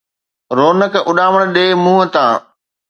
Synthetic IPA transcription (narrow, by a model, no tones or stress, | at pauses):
ɾoːnəkʔʊɗaːʋəɽ̃ɗeːmũːɦə̆t̪ãː